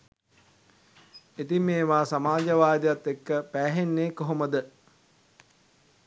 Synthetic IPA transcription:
et̪imeːʋaːsamaːd͡ʒəʋaːd̪ejat̪ːekːəpæːɦenːeːkoɦoməd̪ə

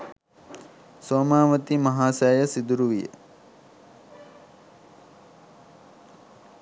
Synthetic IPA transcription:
soːmaːʋət̪imɐɦaːsæːjəsid̪uɾuʋijə̰

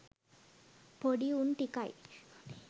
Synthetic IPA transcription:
pʰoɽiunʈikaj

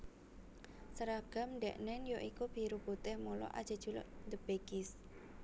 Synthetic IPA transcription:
səɾaɡ̥a̤mɳɖɛʔnɛnjoʔikub̥i̤ɾuput̪ɛhmulɔ̰ʔa̰d̥ʒ̥ə̤d̥ʒ̥ulɔ̰ʔd̪əb̥eɡɪs

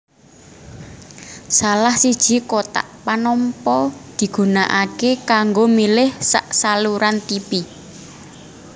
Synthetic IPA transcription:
salahsid̥ʒ̥i̤kot̪a̰ʔpanɔmpɔd̪̥i̤ɡ̥ṳnaʔakekaŋɡomilɪhsa̰ʔsaluɾant̪ipi

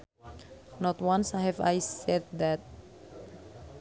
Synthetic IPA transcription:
nɔt̪wãnsaɦɛva̰jsɛd̪̚d̪ɛt̪̚

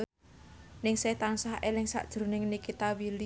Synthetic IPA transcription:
nɪŋset̪ansaɦʔelɪŋsa̰ʔd̥ʒ̥ɾṳnɪŋnikit̪awili

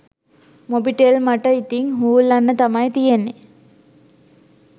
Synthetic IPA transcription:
mobiʈelmaʈəit̪iŋɦuːulːɐnːət̪amajt̪ijenːe

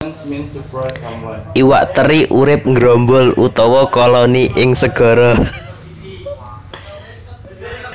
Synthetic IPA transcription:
ʔiwa̰ʔt̪əɾiʔuɾɪp̚ŋɡɾɔmbʊlut̪ɔwɔkɔlɔniʔɪŋsəɡ̥ɔ̤ɾɔ

